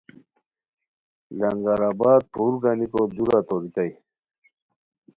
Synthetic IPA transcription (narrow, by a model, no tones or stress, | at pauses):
lɐŋɡaɾabaːd̪̚t̪ʰuːɾɡanikod̪uɾat̪oɾit̪aj